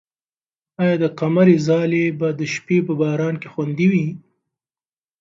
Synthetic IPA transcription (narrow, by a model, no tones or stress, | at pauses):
ɑjɑd̪əqamaɾezɑlebad̪əʃpepəbɑːɾɑnkexwand̪iwi